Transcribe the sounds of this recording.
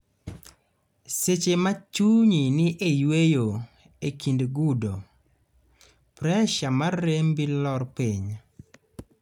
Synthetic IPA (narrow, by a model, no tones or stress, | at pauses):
set͡ʃemat͡ʃuɲinɪʔejwejo | ekindɡudo | pɾɛʃamarːembilɔrpiɲ